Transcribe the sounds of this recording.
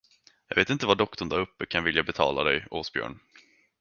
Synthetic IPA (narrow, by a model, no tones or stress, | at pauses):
jɑːɡveːt̪ɪnt̪əvaɖɔkt̪ɔɳd̪aɾɵpːəkʰanvɪljabɛt̪ʰɑ̰ːlad̪ɛjoːsbjœ̰ːɳ